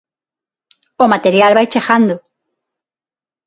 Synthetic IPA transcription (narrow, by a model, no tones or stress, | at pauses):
omat̪eɾjalβajt͡ʃexand̪o